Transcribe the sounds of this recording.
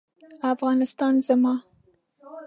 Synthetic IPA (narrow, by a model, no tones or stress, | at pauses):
afɣɑnɪst̪ɑnzamɑ